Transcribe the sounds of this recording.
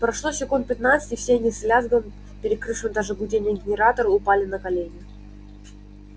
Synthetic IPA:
pɾɐʂlˠosʲɪkunt̪̚pʲɪt̪nat̪sɨ̥tʲɪfsʲeɐnʲɪslʲazɡəm | pʲɪɾʲɪkɾɨfʂɨmʲd̪aʐɨbʊdʲenʲɪjəɡʲɪnʲɪɾat̪əɾəʊpalʲɪnəkɐlʲenʲɪə

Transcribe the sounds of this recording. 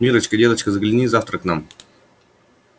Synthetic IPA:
mʲiɾət͡ɕkədʲed̪ət͡ɕkəzəɡlʲɪnʲizaft̪ɾəknam

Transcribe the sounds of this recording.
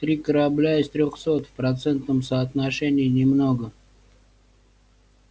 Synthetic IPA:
t̪ɾʲikəɾɐblʲaɪst̪ɾʲoxsot̪fpɾɐt̪sɛnt̪nəmsəːt̪naʂɛnʲɪːnʲɪmnoɡə

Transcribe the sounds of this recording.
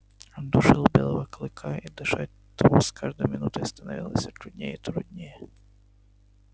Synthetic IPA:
ɔnd̪uʂɨlˠbʲelˠɐʋɐklˠɨkʰaid̪ɨʂat̚ʲ | t̪vɔskʰaʐd̪ojmʲɪnut̪əjst̪ɐnɐvʲilˠəsʲɐt̪ɾʊdʲnʲejit̪ɾʊd̪ʲnʲejɛ

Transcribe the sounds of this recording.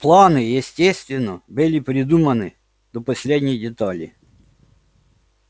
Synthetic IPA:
plˠanɪjɪsʲtʲesʲt̪vʲɪnːɔbɨlʲɪpɾʲɪd̪umɐnɨ | d̪̥ɔpɔsʲlʲedʲnʲɪjdʲɪt̪ɑlʲḭ

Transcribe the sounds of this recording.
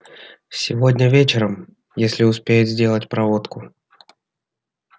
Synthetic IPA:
sʲɪvodʲnʲəvʲet͡ɕɪɾəm | jesʲlʲɪʊspʲejɪt̪zʲdʲe̞lˠətʲpɾɐvo̞t̪kʊ

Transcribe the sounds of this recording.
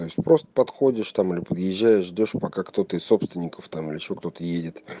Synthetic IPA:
o̞ɪsʲtʲpɾo̞st̪ə̥pɐt̪xo̞dʲɪʂt̪amɨlʲɪpəd̪jɪʑːæjɪʂʐdʲo̞ʂpɐkakt̪o̞t̪əɪsːo̞pst̪vʲɪnʲɪkəft̪amɨlʲɪɪɕːo̞kt̪o̞t̪əjedʲɪt̪

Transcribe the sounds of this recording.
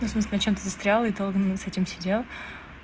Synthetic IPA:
nəfsmɨs̬ʲlʲɪnɐt͡ɕe̞mt̪əzəst̪ɾʲalˠəit̪olˠɡənsɛtʲɪmsʲɪdʲelˠ

